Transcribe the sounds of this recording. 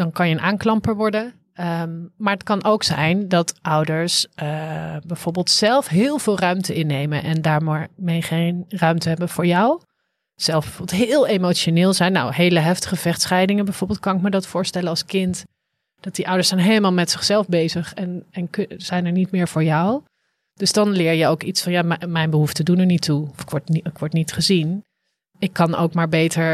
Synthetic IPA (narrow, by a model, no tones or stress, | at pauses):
d̥ɑnkɑnjəənʔaːŋklɑmpəɹʋɔɹdən | maːɹətkɑnʔowksɛjndɑtʔʌwdəɹsəbɛjv̥oːɹbɪːlˠtsɛlˠfɦɪːlˠvɪːlˠrœɥmtəɪnːejmə̰nʔɛndaːɹmmejχenrœɥmtəɦɛbənv̥ʊːɹjɔw | z̥ɛlˠvbɛvoɹbɪlˠtɦɪːlˠemowt͡ʃonɪːlˠzɛjnːa̰wɦejləɦɛftə̥χəv̥ɛχtsχɛjdɪŋənbɛjvʊɹbɪːlˠt̚kɑnɪkmədɑtfʊːɹstɛlənɑlˠskɪnt | d̥ɑt̚diʔʌwdəɹsɛjnɦejləmaːlˠmɛtsɪχsɛlˠfbejzəχɛnɛnkz̥ɛjnɛɹnitmɪːɹv̥ʊːɹjɔw | d̥ɵzdɑnlɪːɹjəowkitsfɑnjaːmmɛjnbəɦuftədunəɹnituɔfɪkʋɔɹtnɪkʋɔɹtnitχəzin | ɪkːɑno̰wkmaːɹbejtəɹ